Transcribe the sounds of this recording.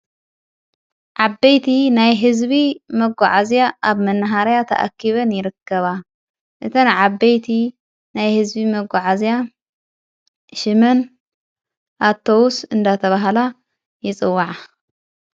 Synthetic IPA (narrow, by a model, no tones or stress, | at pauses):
ʕabːejt̪ʰinajɦɨzbimɐɡʷaʕazijaʔaβmɐnːɐɦaɾjat̪ʰɐ̰ʔa̰kʰːiβɐnjɪɾɨkːɐβa | ʔɨt̪ʰɐnʕabːejt̪ʰi | najhɨzbimɐɡʷaʕazija | ʃɨmɐn | ʔat̪ʰːowusɨnd̪at̪ʰɐβaɦla | jɪt͡sʼɨwːaʕa